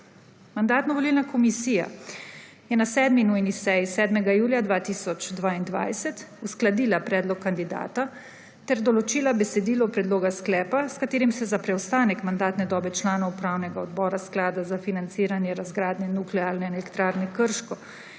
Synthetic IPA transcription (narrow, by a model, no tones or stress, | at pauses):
mand̪aːt̪nɔʋɔliːlnakɔmisiːja̰ | jɛnasɛːd̪minujnisɛjisɛːd̪mɛɡajuːljad̪ʋaːt̪iːsɔt͡ʃd̪ʋaːind̪ʋa̰jsɛt̪usklad̪iːlapɾɛːd̪lɔkːand̪id̪a̰ːt̪a | t̪ɛɾd̪ɔlɔt͡ʃiːlabɛsɛd̪iːlɔpɾɛd̪loːɡasklɛːpaskat̪eːɾimsɛzapɾɛwst̪aːnɛkmand̪aːt̪nɛd̪ɔːbɛt͡ʃlaːnɔwupɾaːwnɛɡaɔd̪bɔːɾasklaːd̪azafinant̪siːɾanjɛɾazɡɾaːd̪nɛnuklɛaːlnɛnɛlɛkt̪ɾaːɾnɛkəɾʃkɔ